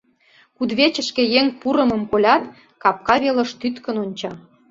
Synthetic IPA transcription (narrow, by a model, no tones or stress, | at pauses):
kud̪βet͡ɕə̆ʃkĕjeŋpuɾə̆mə̆mkolʲɑt̪ | kɑp̚kɑβelə̆ʃt̪yt̪kə̆nonʲt͡ɕɑ